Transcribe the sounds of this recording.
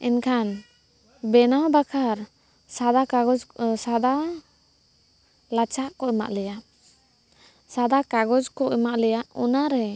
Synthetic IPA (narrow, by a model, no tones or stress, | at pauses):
ɛnkʰan | bɛnawbakʰaɾ | sad̪aaɡɔd͡ʒsad̪a | lat͡ʃaʔkɔʔɛma̰ʔlɛja | sad̪akaɡɔd͡ʒkɔʔɛmaʔlɛjaʔɔnaɾɛ